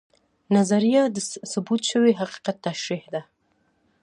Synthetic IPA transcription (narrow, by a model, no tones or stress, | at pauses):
nazaɾijad̪əsʊbut̪ʃəweɦaqi̥qat̪ːaʃɾihd̪a